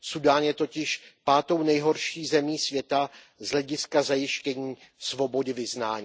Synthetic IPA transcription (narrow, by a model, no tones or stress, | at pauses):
sudaːnjɛt̪o̞cɪʃpaːt̪o̞wnɛjɦo̞ɾʃiːzɛmiːsvjɛt̪a | zɦlɛɟɪskazajɪʃcɛɲiː | svo̞bo̞dɪvɪznaːɲiː